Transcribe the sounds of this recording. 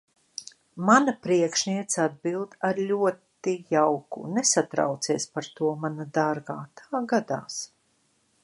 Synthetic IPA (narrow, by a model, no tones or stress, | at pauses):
manapɾiɛkʃniɛt̪sad̪̚bilˠd̪aɾlʲuɔt̪ijawkṵnɛsat̪ɾa̰wt̪siɛspaɾt̪uɔmanad̪aɾɡaːt̪ʰaːɡad̪a̰ːs